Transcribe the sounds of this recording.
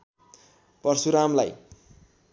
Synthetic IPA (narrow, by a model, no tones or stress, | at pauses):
pʌrsuɾamlaj